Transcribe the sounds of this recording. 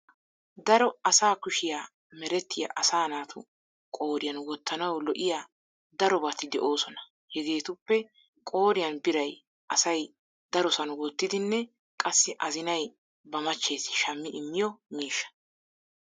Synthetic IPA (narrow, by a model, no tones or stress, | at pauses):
d̪ɐɾɔɐsaːkʊʃɪjaː | mɛɾɛt̪ːɪja̰ʔɐsaːnaːt̪ʊ̰ | kʼo̞ːɾɪjɐnwɔt̪ʰːɐnɐwlɔʔɪjaː | d̪ɐɾɔbat̪ːɪd̪ɛʔo̞ːsɔnɐ | hɛɡe̞ːt̪ʊpːɛ | kʼo̞ːɾɪjɐnbɪɾɐj | ʔɐsɐj | d̪̥ɐɾɔsɐnʊwɔt̪ːɪd̪ɪnːɛ | kʼɐsːɪʔɐzɪnɐj | bɐmɐt͡ʃːe̞ːsɪ̥ʃɐmːɪʔɪmːɪjɔmiːʃːɐ̥